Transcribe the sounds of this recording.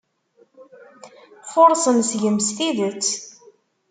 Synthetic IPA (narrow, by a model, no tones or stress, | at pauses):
fʊɾˤsəmsʝəmsθiðət͡sː